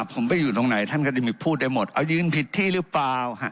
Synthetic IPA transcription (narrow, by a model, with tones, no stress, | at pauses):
pʰo˨˩˦mpa˧˩jːuː˨˩t̪o˧ŋna˩˦jt̪ʰa˥˩nka˥˩t͡ɕa˧˩miː˧pʰuː˥˩t̪̚da˥˩jmo˨˩t̪̚ʔa˧˩wjɯː˧npʰi˨˩tt̪ʰːiː˥˩ɾɯ˦˥paː˧whʰa˧˩